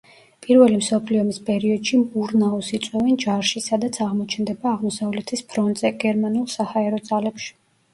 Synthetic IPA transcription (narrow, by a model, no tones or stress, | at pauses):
pʼiɾvɛlimsɔpʰliɔmispʼɛɾiɔd̪ʃimuɾnaɔsit̪sʼwɛvɛnd͡ʒaɾʃisad̪at̪sʰaʁmɔt͡ʃʰɛnd̪ɛbaːʁmɔsavlɛt̪ʰispʰɾɔnt̪ʼz̥ɛɡɛɾmanulˠsahaɛɾɔd̪z̥alɛpʃi̥